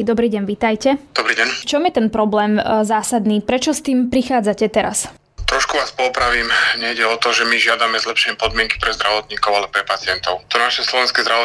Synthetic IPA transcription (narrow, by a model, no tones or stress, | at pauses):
d̪ɔbɾiːɟɛɲʋit̪ajcɛd̪̥ɔbɾiːɟɛɲft͡ʃɔmjɛt̪ɛnpɾɔblɛːmzaːsad̪niːpɾɛt͡ʃɔst̪iːmpɾixaːd͡zacɛt̪ɛɾa̰s | t̪ɾɔʃkuʋaːspɔpɾaʋiːmɲɛjɟɛɔt̪ɔʒɛmiʒɪad̪amɛzlɛpʃɛɲɛpɔd̪mɪɛŋki̥pɾɛzd̪ɾaʋɔt̪ɲiːkɔʊalɛpɾɛpat͡sɪɛnt̪ɔʊt̪ɔnaʃɛslɔʋɛnskɛːzd̪ɾaʋɔ